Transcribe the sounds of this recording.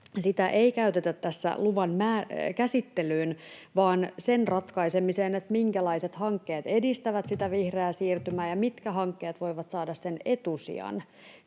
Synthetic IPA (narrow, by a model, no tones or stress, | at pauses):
sit̪æʔeikæyt̪et̪æt̪tːæsːæ̰luʋɑnmæːkæsit̪ːelyːnʋɑːnsenrɑt̪kɑisemiseːnet̪miŋkælɑiset̪hɑŋkːeːt̪e̞dist̪æʋæt̪sit̪æʋihreæsiːrt̪ymæːjɑmit̪kæɦɑŋkːeːt̪ʋo̞iʋɑt̪sɑːdɑssene̞t̪usḭɑ̰n